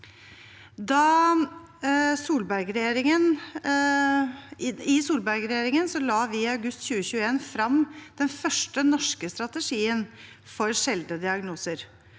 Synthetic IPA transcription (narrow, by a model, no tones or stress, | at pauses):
d̪ɑ | suːlbæɾɡɾɛjeːɾɪŋən | ɪɪsuːlbæɾɡɾɛjeːɾɪŋənsɔlɑːʋɪɑʉɡʉst̪çʉːəçʉːəeːnfɾɑmd̪̥ɛnfœʂʈənɔʂkəst̪ɾɑt̪əʂiːən | fɔɾʂɛld̪əd̪ɪɑɡnuːsəɾ